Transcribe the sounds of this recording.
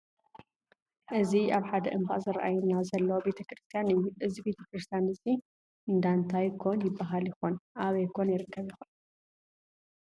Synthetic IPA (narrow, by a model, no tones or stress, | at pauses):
ʔɨziʔaβħad̪ɐʔɨmbaʔzɨɾʔa̰junːazɐlːɐwobe̞t̪ʰɐkɾɨst̪ʰijanɨjːuʔɨzibe̞t̪ʰɐkɾɨst̪ʰijanɨsi | ʔɨnd̪ant̪ʰajkʰːonjɪbːaɦaljɪxunʔaβɐjkʰonjɪɾɨkːɐβjɪxun